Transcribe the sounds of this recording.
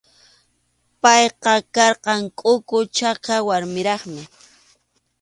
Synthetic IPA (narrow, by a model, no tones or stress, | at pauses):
pɑjqɑkɑɾqɑŋkʼʊkʊt͡ʃɑkawaɾmɪɾɑχmɪ